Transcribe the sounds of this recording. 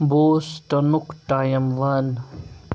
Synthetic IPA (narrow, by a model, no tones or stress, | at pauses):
boːsʈɐnukʈaːjɐmʋɐn